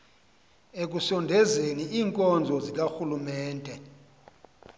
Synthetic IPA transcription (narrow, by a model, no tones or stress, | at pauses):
ek̬usɔndʱɛzeniiːŋkʼɔnd͡zʱɔzik̬axulumɛːndʼʱɛ